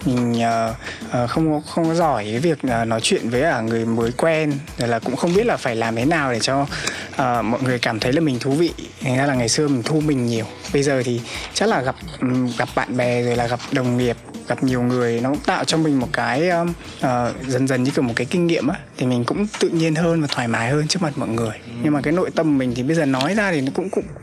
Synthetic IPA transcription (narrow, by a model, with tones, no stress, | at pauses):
mï˨˩ŋ̟ʔəː˨˩ʔəː˨˩xə˧wŋ͡mkɔ˨˦xə˧wŋ͡mkɔ˨˦zɔ˧˩jkaː˨˦jvi˨˩ək̚ʔəː˨˩nɔ˨˦jt͡ɕwḭ˧˨ənvəː˨˦jʔəː˧˩ŋɨ˨˩əjməː˨˦jkwɛ˧nzo˨˩jlaː˨˩kʊ̰˧˥ŋ͡mxə˧wŋ͡mɓi˦˥t̚laː˨˩faː˧˩jlaː˨˩mt̪ʰe˨˦naː˨˩wɗe˧˩t͡ɕɔ˧ʔəː˨˩mɔ̰˧˨jŋɨ˨˩əjkaː˧˩mt̪ʰə˨˦jlaː˨˩mï˨˩ŋ̟t̪ʰu˧vḭ˧˨t̪ʰa˨˩ŋzaː˧laː˨˩ŋa˨˩jsɨ˧əmï˨˩ŋ̟t̪ʰu˧mï˨˩ŋ̟ɲi˨˩əwɓə˧jzəː˨˩t̪ʰi˨˩t͡ɕa˦˥k̚laː˨˩ɣa˨˩p̚ɣa˨˩p̚ɓa̰ː˧˨nɓɛ˨˩zo˨˩jlaː˨˩ɣa˨˩p̚ɗə˨˩wŋ͡mŋi˨˩əp̚ɣa˨˩p̚ɲi˨˩əwŋɨ˨˩əjnɔ˨˦kʊ̰˧˥ŋ͡mt̪a̰ː˧˨wt͡ɕɔ˧ŋ͡mmï˨˩ŋ̟mo˨˩t̚kaː˨˦jəː˨˧˦ | ʔəː˨˩zə˧˩nzə˨˩nɲɨ˧kɨ˧˩m˨˩tkaː˨˦jkï˧ŋŋḭ˧˨əmʔaː˨˦t̪ʰi˨˩mï˨˩ŋ̟kʊ̰˧˥ŋ͡mt̪ɨ̰˧˨ɲi˧ənhəː˧nvaː˨˩t̪ʰwaː˧˩jmaː˨˦jhəː˧nt͡ɕɨ˦˥ək̚ma˨˩t̚mɔ̰˧˨jŋɨ˨˩əjɲɨ˧ŋmaː˨˩kaː˨˦jno̰˧˨jt̪ə˧m˨mï˨˩ŋ̟t̪ʰi˨˩ɓə˧jzəː˨˩nɔ˨˦jzaː˧t̪ʰi˨˩nɔ˨˦kʊ̰˧˥ŋ͡mkʊ̰˧˥ŋ͡m